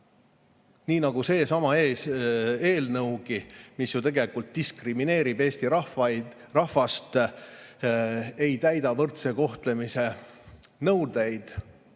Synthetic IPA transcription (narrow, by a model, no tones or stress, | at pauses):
niːnɑɡ̥use̞ːsɑmɑeːse̞ːlnɤwɡ̥imisjut̪e̞ɡe̞likult̪̚d̪̥iskrimine̞ːɾib̥e̞ːst̪iɾɑ | rɑhvɑst̪ | e̞jt̪æjd̪ɑvɤrt̪seko̞ht̪le̞mise̞ | nɤwd̪̥e̞jd̪̥